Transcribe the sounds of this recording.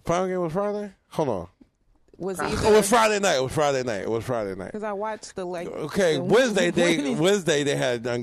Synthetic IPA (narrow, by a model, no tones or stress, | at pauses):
fãɪmɡẽɪ̃mwʌz̥fɹaɪɾeɪ | hoʊnɔ̰ | wʌzɪt̚wʌz̥fɹaɪɾeɪnaɪtɪt̚wʌz̥fɹaɪɾeɪnaɪtɪ̰wʌz̥fɹaɪɾeɪna̰ɪtkʌaɪwɑt͡ʃðəlo̰ʊkʰeɪwɛ̃nzdeɪðeɪwɛ̃nzdeɪðeɪɨdə̃n